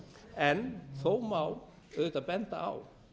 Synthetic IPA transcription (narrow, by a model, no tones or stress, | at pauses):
ɛnθowmaw | œðt̪apɛnt̪a̰a̰w